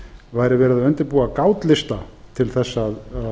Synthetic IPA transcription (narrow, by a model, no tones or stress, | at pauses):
vaːjɾɪvɛːɾɪðavœnt̪ɪɾpuːakaːwt̪lɪst̪at̪ʰɪlθɛsːa